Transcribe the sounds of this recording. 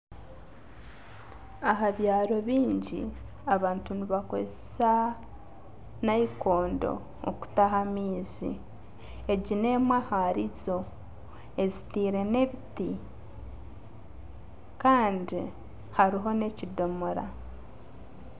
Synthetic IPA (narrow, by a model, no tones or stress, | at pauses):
aɦaβjaːɾo̞βiːɲɟḭ | aβaːntuniβako̰zesa | naiko̞ːndo̞̰ː | ku̥taɦamiːzḭ | e̞ɟine̞ːmwahaɾizo̞ | e̞zitiːɾe̞ne̞βiti | kaːndi | haɾiɦo̞ne̞cido̞moɾa̰